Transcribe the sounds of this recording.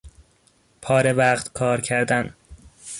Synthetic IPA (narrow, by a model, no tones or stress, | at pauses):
pʰɒːɾevæːɢt̪kʰɒːɾcʰæɾd̪æn